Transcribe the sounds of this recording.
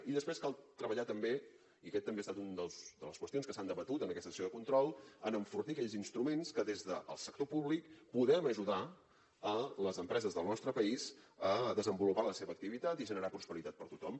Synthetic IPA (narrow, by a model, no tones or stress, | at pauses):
iðəspɾeskalˠt̪ɾəβəʎat̪əmbe | iəkɛt̪ːəmbest̪at̪und̪əlˠsd̪ələskwəst̪ionskəsand̪əβət̪ut̪ənəkɛst̪əsioðəkunt̪ɾɔlˠənəɱfurt̪iəkɛʎzinst̪ɾumenskəðezðəʔə̰lˠsək̚t̪opuβlikpuðɛməʒuða | ələzəmpɾɛzəzðəlˠnɔst̪ɾəpəizəðəzəmbulupaləseβəːk̚t̪iβit̪at̪iʒənəɾapɾuspəɾit̪at̪̚pəɾt̪ut̪ɔm